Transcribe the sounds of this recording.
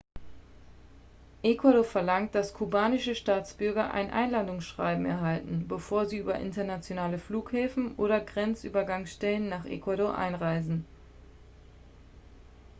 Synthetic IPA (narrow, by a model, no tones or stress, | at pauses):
ʔekwadofɛɐlaŋt̚d̥askʰubaːnɪʃəʃtaːt͡sb̥ʏɐɡɐʔa̰ɪnʔa̰ɪnlandʊŋsʃʁ̥a̰ɪbm̩ɛ̰ɐɦaltn̩bəfoːɐziːʔyːbɐʔɪ̰ntɐnat͡sjonaːləfluːkhɛːfn̩ʔoːɾɐɡʁɛnt͡sʔy̰ːbɐɡaŋsʃtɛlənːaːχʔḛkwaɾoʔa̰ɪnʁaɪzn̩